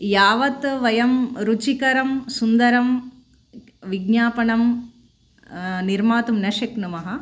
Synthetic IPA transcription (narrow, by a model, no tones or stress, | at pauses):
jaːʋɐt̪ʋɐjɐmɾut͡ʃikɐɾɐmsund̪ɐɾɐm | ʋiɡɲaːpɐɳɐm | niɾmaːt̪umnɐʃɐknɐmɐɦɐ